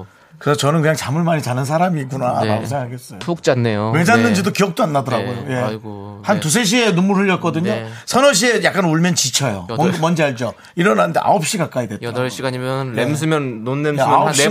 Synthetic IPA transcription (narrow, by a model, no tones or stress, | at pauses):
kɯesʰʌt͡ɕʌnɯnkɯɲaŋt͡ɕamɯɭmaɲit͡ɕanɯnsʰaɾamiːk͈una̰ːnamos̬ʰeŋɡakʰaɡe̞s͈ʌjok̚t͡ɕ͈anːejowe̞d͡ʑanːɯnd͡ʑidokijʌk̚t͈oanːadʌɾaɡojoje̞ | hantus̬ʰe̞ɕ̬ʰie̞numuɾɯʎːʌt̚k͈ʌdɯɲosʰʌnʌɕ̬͈ʰie̞jak͈anuɭmjʌnt͡ɕit͡ɕʰʌjo̰mnmʌnd͡ʑiaɭd͡ʑo | iɾʌnanɯnde̞ʔa̰op̚ɕ͈ikak͈aidwe̞tɾaiaimjʌems̬ʰɯmjʌnːonːemop